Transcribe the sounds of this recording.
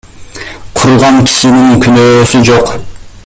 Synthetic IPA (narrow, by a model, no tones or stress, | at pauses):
qʰuɾʁɑŋkʲʰi̥ʃiniŋkʰynøːsyd͡ʒoq